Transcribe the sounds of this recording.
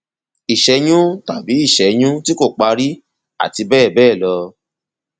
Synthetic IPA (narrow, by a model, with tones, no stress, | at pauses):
i˨ʃɛ˨˦j̃ũ˦ta˦˨bi˨˦i˦˨ʃɛ˨˦j̃ũ˦ti˦ko˦˨k͡pa˧ɾi˦ | a̰˦˨ti˧bɛː˦˨bɛː˦˨lɔ˧